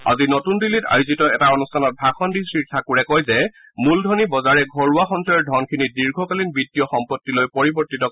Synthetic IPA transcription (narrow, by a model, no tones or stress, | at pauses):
a̰zinɔtundilːita̰juzitɔɛtaɔnustʰanɔt̚bʱaxɔndisɹiɹtʰakuɹɛkɔjzɛ | muldʱɔnibɔzaɹɛɡʱɔɹuaxɔntɔjɔdʱɔnkʰinidiɹɡʱɔkalinbitːijɔxɔmpɔtːilojpɔɹibɔɹtitɔ